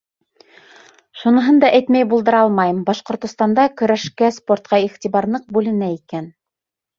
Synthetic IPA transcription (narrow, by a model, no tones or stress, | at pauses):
ʃunɤ̆ɦɤnd̪ɑʔæjt̪mæjbulˠd̪ɤ̆ɾɑlˠmɑjɤmbɑʃqŏɾt̪ŏst̪ɑnd̪ɑkɵ̆ɾæʃkæspo̞rt̪̚qɑiχt̪iβɑɾlˠɤq̚bʉlɘ̆næikæn